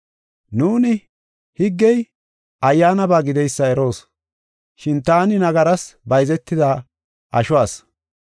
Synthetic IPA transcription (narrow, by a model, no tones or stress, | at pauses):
nuːnɪ | hɪɡːɛj | ʔɐjːaːnɐbaːɡɪd̪ɛjsːɐɛɾo̞ːs | ʃɪnt̪aːnɪnɐɡɐɾɐsbɐjzɛt̪ːɪd̪aː | ʔɐʃʊwaːs